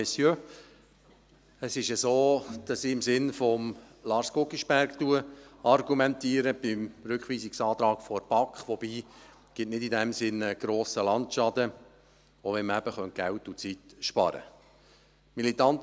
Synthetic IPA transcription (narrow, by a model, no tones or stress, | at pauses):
ɛsjø | əsɪʃəzoːd̥ɑsiɪmsɪnfɔm | lɑːɾskʊkiʃb̥æɾktuəɑrɡumɛnt̪iːəɾəb̥ɪmɾʏkχʋiːsiksɑːt̪ɾɑːkfɔɾb̥ɑkχʋɔbiː | ɡ̥ɪtnɪdidɛmsɪnəɡ̥ɾoːsəlɑntʃɑd̪ə | oʋɛnməæb̥əχœnt̚ɡ̥æltut͡sitʃpɑ̰ɾə̰ | milit̪ɑnt̪